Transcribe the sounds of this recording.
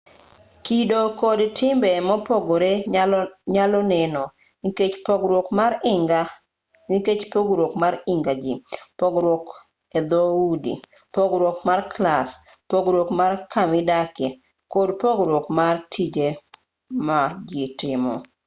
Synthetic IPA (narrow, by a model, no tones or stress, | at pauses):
kidokodtʰɪmbɛmɔpoɡoɾe | ɲalɔnɛnɔ | niket͡ʃpɔɡɾwokmaɾɪŋɡa | niket͡ʃpoɡɾwokmaɾɪŋɡad͡ʒipoɡɾwok | ed̪oudḭ | poɡɾwokmarklas | poɡɾwokmarkʰamɪdake | kodpoɡɾwokmartʰid͡ʒe | mad͡ʒɪtɪmɔ̰